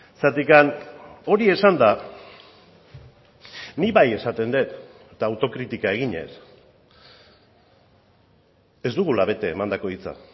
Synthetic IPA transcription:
sat̪ikano̞ɾie̞sand̪a | niβaje̞sat̪e̞nd̪e̞t̪et̪aːwt̪o̞kɾit̪ikae̞ɣ̞iɲe̞̰s | e̞zd̪uɣulaβe̞t̪e̞ːmand̪ako̞it͡sa̰

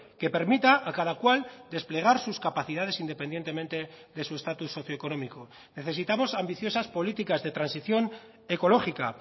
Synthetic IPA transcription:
ke̞pe̞ɾmit̪aʔːkað̞akwald̪e̞sple̞ɣ̞aɾsuskapaθið̞að̞e̞sind̪e̞pe̞nd̪je̞nt̪e̞mẽ̞nt̪e̞ðe̞sue̞st̪at̪usːo̞θjoeko̞no̞miko | ne̞θe̞sit̪amo̞sambiθjo̞saspo̞lit̪ikazðe̞t̪ɾansiθjo̞n | e̞ko̞lo̞xika̰

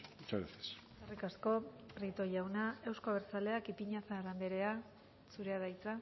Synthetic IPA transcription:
ut͡ʃaɾeθes | sarikasko̞ | rit̪o̞jawnae̞wsko̞βeɾt͡sale̞akipiɲaθaɾand̪eɾe̞a | suɾe̞aðajt͡sa

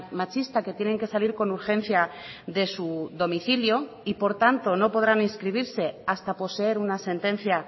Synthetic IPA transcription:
mat͡ʃist̪ake̞t̪je̞ne̞ŋke̞saliɾko̞nuɾxe̞n̟θjaðe̞suðo̞miθiljo̞ | ipo̞ɾt̪ant̪o̞no̞po̞ð̞ɾanĩnskɾiβ̞iɾse̞ast̪apo̞se̞e̞ɾunase̞nt̪ẽ̞n̟θja

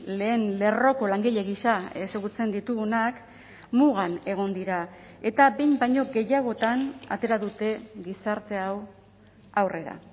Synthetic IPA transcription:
le̞ːnle̞ro̞ko̞laŋɡiʎe̞ɣisae̞seɣut͡se̞nd̪it̪uɣunak | muɣane̞ɣ̞o̞nd̪iɾae̞t̪abejmbajɲo̞ɡe̞jaɣ̞o̞t̪ana̰t̪e̞ɾaðut̪e̞ɣisaɾt̪e̞aw | awre̞ɾa̰

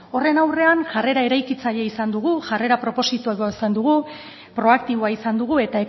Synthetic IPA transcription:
o̞re̞nawre̞anʝare̞ɾae̞ɾajkit͡saʎeisand̪uɣ̞uʝare̞ɾapɾo̞po̞sit̪uaβoisand̪uɣ̞u | pɾo̞ak̚t̪iβoaisand̪uɣue̞t̪ae̞

